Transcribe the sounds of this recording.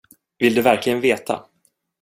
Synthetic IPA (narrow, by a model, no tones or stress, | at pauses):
vɪld̪ɵvæɾklɪɡənveːt̪ʰa̰